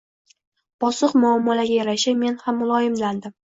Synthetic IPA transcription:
b̥ɒsɨqmʊamːɒlaɡʲajaɾaʃame̞nhamːʊlˠɒjɪmland̪ɪm

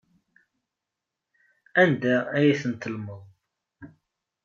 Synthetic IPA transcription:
ænd̪ææjæθənt̪əlməðˤ

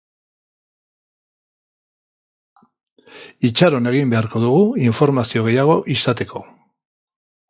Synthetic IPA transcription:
it͡ʃaɾo̞ne̞ɣ̞imbe̞aɾko̞ðuɣuiɱfo̞ɾmasio̞ɣe̞jaɣ̞o̞ʔisat̪e̞kʰo̞

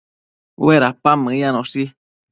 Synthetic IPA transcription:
weɾapamɨ̃ãnõsi

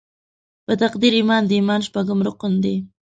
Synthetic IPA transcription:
pət̪aqd̪iɾimɑnd̪əimɑnʃpaɡʊmɾʊqʊnd̪e

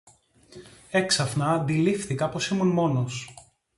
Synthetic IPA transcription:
e̞ksɐfnɐðilifθikɐpo̞simunmo̞nos

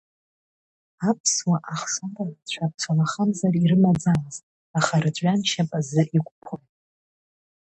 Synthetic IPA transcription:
apʰswaʔaχsandʼat͡ɕʷʰap̚ʰt͡sʷʰalaχamzariɾɨmad͡zalɨzt | aχaɾɨd͡ʒʷʼɥant͡ʃʰapʼazɨʔikʷʼpʰʊj

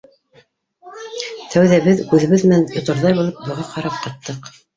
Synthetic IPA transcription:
t̪ʰæwðæβɘðkʉðɘ̆βɘðmɘ̆nænŏt̪ŏɾðɑjβulˠɤp̚bŏʁɑqɑɾɑp̚qɑt̪ːɤq

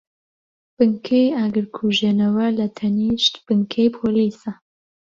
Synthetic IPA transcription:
b̥ɨŋkʰejaːɡɨɾkʰuʒenɐwɐlɐt̪ʰɐniːʃt̪b̥ɨŋkʰejpʰoːliːsɐ

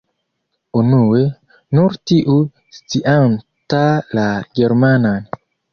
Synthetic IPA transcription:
unue | nuɾtiʔu | stiʔan | talaɡeɾmanan

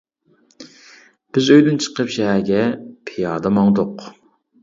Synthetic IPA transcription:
b̥ɪzøjd̪ynt͡ʃʰə̥qəpʃɛɦæɾɡʲɛpʰejɑːd̪ɑmɑŋd̪ʊq

